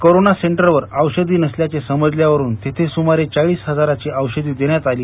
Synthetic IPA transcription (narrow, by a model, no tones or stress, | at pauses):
koɾonaseɳʈəɾʋəɾəwɕəd̪iːnəsljat͡sesəməd͡zljaʋəɾuːnt̪et̪ʰesumaɾet͡saɭiːsɦəd͡zaɾat͡ɕiʔəwɕəd̪iːd̪eɳjat̪aliː